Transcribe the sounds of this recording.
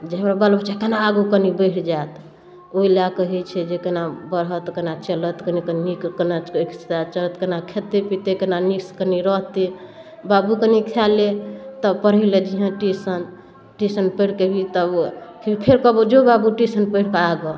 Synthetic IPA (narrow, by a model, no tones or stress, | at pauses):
d͡ʒeɦəmɾabəlbt͡ʃʰakənaːɡukənibəɽd͡ʒat̪ | oilakəɦit͡ʃʰɛd͡ʒekənabəɾɦət̪kənat͡ʃələt̪kənikənnikkənakst̪at͡ʃələt̪kənakʰet̪epit̪ekənanikskəniɾɔɦt̪i | babukənikʰalet̪əbpəɾɦiled͡ʒiɦə̃ʈisən | ʈisənpəjɽkebʱit̪əbkpʰeɾkɔbud͡ʒobabuʈisənpəɪɽkeaɡo